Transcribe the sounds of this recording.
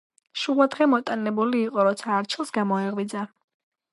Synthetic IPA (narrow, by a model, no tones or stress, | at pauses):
ʃuvad̪ʁɛmɔt̪ʼanɛbuliːqʼɔɾɔt̪sʰaːɾt͡ʃʰilˠsɡamɔɛʁwid̪za